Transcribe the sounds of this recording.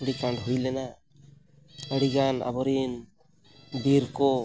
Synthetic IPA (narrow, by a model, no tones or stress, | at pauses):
əɽikaɳɖɦujlɛna | əɽiɡana̰bɔɾin | biɾkɔ